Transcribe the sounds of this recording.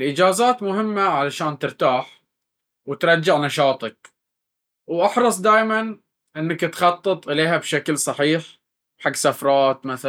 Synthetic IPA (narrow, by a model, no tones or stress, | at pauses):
lʔɪd͡ʒaːzaːt̪mʊɦɪmːaʕalaʃaːnt̪ɪɾt̪aːħ | wɪt̪ɾˤɑd͡ʒːɪʕnɑʃɑːt̪ˤɑk̚ | wʔɑħɾˤɑsˤd̪aːjman | ʔɪnːakt̪xɑt̪ˤːɨt̪ˤʔɪleːɦabʃaklsˤɑħiːħ | ħaɡːsafɾˤɑːt̪maθa